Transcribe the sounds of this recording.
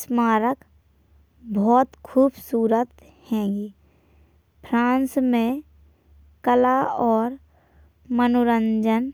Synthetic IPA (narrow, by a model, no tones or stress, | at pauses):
smaːɾək | bɔːt̪kʰuːbsuːɾət̪ | hɛ̃ːɡiː | pʰɾãːnsmẽ | kəlaɔːɾ | mənʊɾə̃ɲd͡ʒən